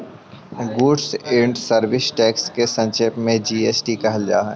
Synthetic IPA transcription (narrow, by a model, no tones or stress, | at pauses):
ɡuːɖsẽːɳɖsəɾʋɪsʈɛːkskesɐ̃nʃeːpmẽd͡ʒiːeːsʈikɐɦəld͡ʒa̰ːɦɛ̰̃ː